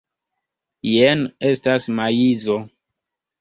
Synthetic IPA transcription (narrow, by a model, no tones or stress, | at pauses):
jenestasmajizo